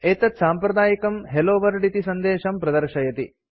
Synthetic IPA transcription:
eːt̪ɐt̪saːmpɾɐd̪aːjikɐmɦeloːʋɐɾɖit̪isɐnd̪eːʃɐmpɾɐd̪ɐɾʃɐjɐt̪ḭ

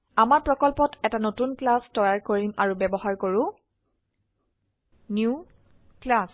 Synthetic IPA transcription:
amaɹpɹɔkɔlpɔtɛtanotunklastɔjaɹkoɹima̰ɹubɛbɔɦaɹkoɹʊ̃ | nju | klas

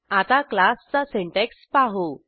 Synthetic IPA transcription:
at̪aklast͡sasẽɳʈekspaɦo

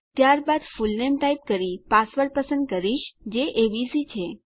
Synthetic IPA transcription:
t̪jaɾbad̪fulnemʈaip̚kəɾipasʋəɾpəsə̃nd̪̚kəɾiʃd͡ʒeʔeʋisit͡ʃʰe

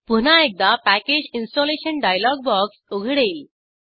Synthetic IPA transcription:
punaek̚d̪apæked͡ʑinsʈɔleɕənɖajlɔɡ̚bɔksoɡʱɽel

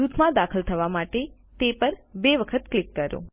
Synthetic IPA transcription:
ut̪ʰmãd̪akʰəlt̪ʰəʋamaʈe | t̪epəɾbeʋəkʰət̪klikːəɾo̰

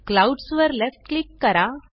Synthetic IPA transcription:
klawɖsʋəɾlefʈklikːɐɾa

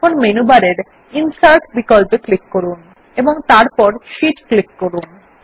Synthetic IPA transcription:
konmenubaɾeɾ | insaɾʈbikɔlpeklikːoɾun | eboŋt̪aɾpɔɾʃitklikːoɾun

